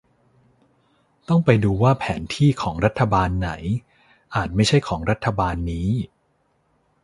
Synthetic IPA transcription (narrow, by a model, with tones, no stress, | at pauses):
t̪ɔ˥˩ŋpa˧jduː˧waː˥˩pʰɛː˩˦nt̪ʰiː˥˩kʰɔː˩˦ŋɾa˦˥t̪ʰːa˧baː˧nːa̰˩˦j | ʔaː˨˩t̪̚ma˥˩jt͡ɕʰa˥˩jkʰɔː˩˦ŋɾa˦˥t̪ʰːa˧baː˧nːiː˦˥